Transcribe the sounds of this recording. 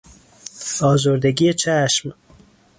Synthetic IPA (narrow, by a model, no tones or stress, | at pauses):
ɑːzoːɾd̪eɡijet͡ʃʰaːʃm